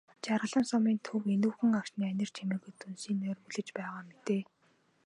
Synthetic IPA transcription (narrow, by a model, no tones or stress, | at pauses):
t͡ɕarʁə̆ɮə̆nsɔmiːnt̪ʰɵwenuːxɘ̆ŋakʃniːænʲɪ̆r̥t͡ɕʰemeːɣɘ̆jt̪ʰunsiːnœːrpuɮɘ̆t͡ɕpæːʁaːmet̪eː